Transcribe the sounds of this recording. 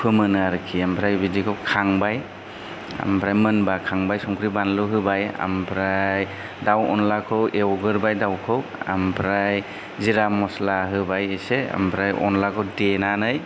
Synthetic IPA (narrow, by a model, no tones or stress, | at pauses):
pʰɯmɯnaɾɯkʰiampʰɾajbidikʰɯwkʰaŋbaj | a̰mpʰɾajmɯnbakʰaŋbajsɔŋkʰɾibanlɯɦɯbaja̰mpʰɾaj | dawɔ̰nlakʰɯwʔewɡɯɾbajdawkʰɯwa̰mpʰɾaj | ziɾamɔslaɦɯbajesea̰mpʰɾajʔɔ̰nlakʰɯwdenanɯj